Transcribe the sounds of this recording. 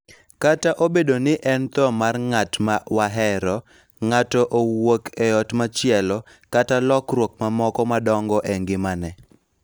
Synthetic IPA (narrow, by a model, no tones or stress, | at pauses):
kataʔobedonɪʔɛnt̪ɔmarŋatmawaɦɛɾɔ | ŋatɔʔowokɛɔtmat͡ʃɪɛlɔ | katalɔkrwok̚mamɔkɔmadɔŋɡɔʔeŋɡɪmanɛ